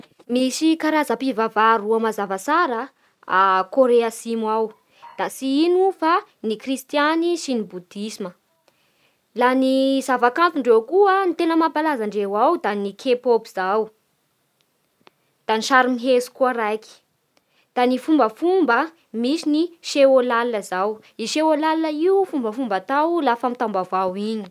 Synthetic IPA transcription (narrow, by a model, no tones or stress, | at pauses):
misikaɾazapivavaɾuamazavasaɾə | akoɾeasimuaw | d̪̥asiinufanikrist̪janisinibud̪̥isimə | lanizavakanfuɳɖ͡ʐewkuənit̪enəmampalazaɳɖ͡ʐewawd̪anikʰepopiz̥aw | d̪̥aniʃaɾimiɦesu̥kuəɾajki̥ | d̪̥anifumbəfumbə | misiniʃeolalnəzaw | iʃewolalinəiufumbəfumbat̪awlafamit̪ambavawini̥